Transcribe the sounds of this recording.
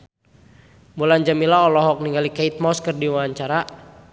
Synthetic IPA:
muland͡ʒamilaɔlɔɦɔk̚niŋɡalikait̪̚mɔskərdiwaaɲt͡ʃaɾa

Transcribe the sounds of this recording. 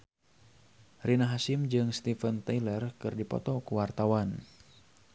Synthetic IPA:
rinaɦasɪmd͡ʒɨŋst̪ifənt̪ajlərkɨrdipɔ̰t̪ɔkuwart̪awan

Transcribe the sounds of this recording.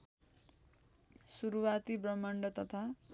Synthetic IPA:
suɾuwat̪ibrʌmʌɳɖʌt̪ʌt̪ʰa

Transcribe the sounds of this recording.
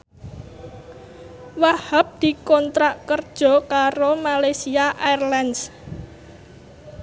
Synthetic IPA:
wahap̚d̪̥i̤kɔnt̪ɾaʔkərd̥ʒ̥ɔ̤kaɾomalajsiaʔaɛrlans

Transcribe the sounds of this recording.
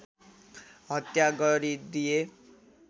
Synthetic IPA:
ɦʌt̪jaɡɔɾid̪ie

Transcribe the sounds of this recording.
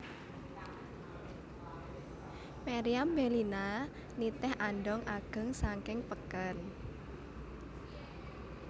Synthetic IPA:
maɾiambelina | nit̪ɛhʔanɖɔŋʔaɡ̥ə̤ŋsaŋkɪŋpəkən

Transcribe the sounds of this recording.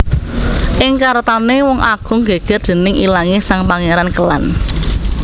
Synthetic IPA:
ʔɪŋkaɾət̪anewɔŋʔa̰ɡ̥ʊ̤ŋɡeɡ̥ɛ̤r̚d̪̥e̤nɪŋʔilaŋesaŋpaŋeɾankəla̰n

